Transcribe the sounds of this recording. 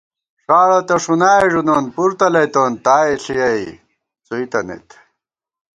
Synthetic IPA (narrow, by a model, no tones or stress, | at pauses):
ʂaːɭot̪ɐʂunaːjʐunoːnpuɾt̪ɐlɐjt̪oːnt̪aːeɬijɐj | t͡suit̪ɐnḛt̪